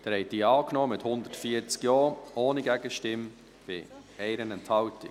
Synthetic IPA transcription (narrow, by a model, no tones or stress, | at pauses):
d̥ɛɾhɛɪtd̪̥iːɑːknɔːmɪthʊnd̪ətfiəɾt͡skjɔːʔoːniɡæɡəʃtɪm | b̥ɪ̰ | ɛɪɾənɛnthɑltɪ